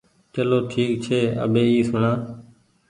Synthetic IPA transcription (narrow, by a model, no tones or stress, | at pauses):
t͡ʃəloːʈʰiːk̚t͡ʃʰeːə̰ɓeːiːsʊɳãː